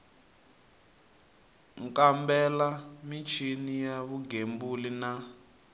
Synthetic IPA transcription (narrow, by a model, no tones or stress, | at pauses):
ŋkʼambɛlamit͡ʃʰinijaβuɡembulina